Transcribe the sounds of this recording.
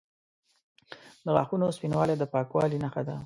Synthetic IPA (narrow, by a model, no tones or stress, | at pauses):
d̪əɣɑ̰xunospinwɑled̪əpɑkwɑlinaxad̪a